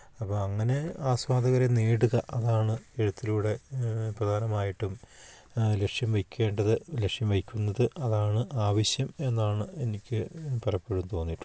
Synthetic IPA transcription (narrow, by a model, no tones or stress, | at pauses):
ɐpːɐɐŋːɐne̞aːswaːd̪ʱɐɣɐɾeneːɽuɣɐʔɐðaːɳɨeɽut̪ːiluːɽe̞prɐd̪ʱaːnɐmaːjiʈːum | le̞kʂjɐmʋɐjkʲːe̞ːɳɖɐðɨlekʂjɐmʋɐjikʲːunːɐðɨʔɐðaːɳɨʔaːʋɐɕjɐme̞nːaːɳɨe̞nikʲːɨpɐrɐpːeɻumt̪o̞ːnːiʈːu̥